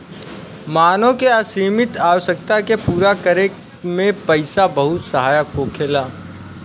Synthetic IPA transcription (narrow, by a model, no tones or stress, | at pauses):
maːnõkeasiːmɪt̪aːʋəʃək̚t̪akepuːɾakəɾek | mẽpəɪsabɐɦʊt̪səɦaːjəkːokʰeːlaː